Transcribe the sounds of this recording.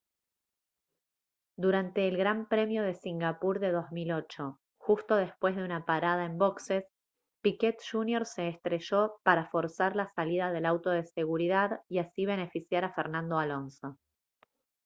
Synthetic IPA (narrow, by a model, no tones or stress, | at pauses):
d̪uɾant̪e̞ːlɣɾampɾe̞mjo̞ð̞e̞siŋɡapuɾðe̞ðo̞zmilo̞t͡ʃo̞ | xust̪o̞ð̞e̞spwe̞zðeunapaɾaðaembo̞kse̞s | piket̪ʃunjo̞ɾse̞ːst̪ɾe̞ʒo̞paɾafo̞ɾsaɾlasaliðaðe̞lawt̪o̞ðe̞se̞ɣuɾiðaðiasiβ̞e̞ne̞fisjaɾafeɾnãnd̪o̞alo̞nso̞